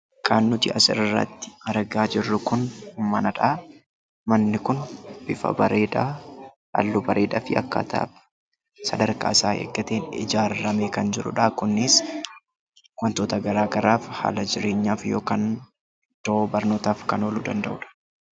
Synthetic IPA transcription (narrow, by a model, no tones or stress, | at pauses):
kʰanːʊt̪ɪ̰ɐsɪɾɪrːɐ̰t̪ːɪ̥ɐɾɡaːd͡ʒɪrːʊkʊnmɐnɐᶑaː | mɐnːɪkʊnb̥ɪfɐ̰bɐɾe̞ːᶑ̪aː | ɐ̰lːubɐɾʔe̞ːd̪a̰fɪɐ̰kːa̰ːt̪ʰa̰ːbɐ̥ | sɐd̪ɐɾka̰ːɪsaːhḛɡːɐt̪e̞ːnɪ̰d͡ʒaːɾːɐmekɐnd͡ʒɪɾʊ̰ᶑɐkʊnːɪs | wɐnt̪oːt̪ɐɡɐɾaːɡɐɾaːfha̰ːlɐd͡ʒɪɾe̞ːɲːaːfjo̞ːkaːn | d̪̥oobɐɾno̞ːt̪aːfkɐno̞ːlṵd̪ɐnd̪ɐʔʊᶑɐ̥